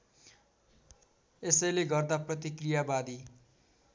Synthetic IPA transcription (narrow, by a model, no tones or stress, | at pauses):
esʌjleɡʌrd̪aprʌt̪ikrijabad̪i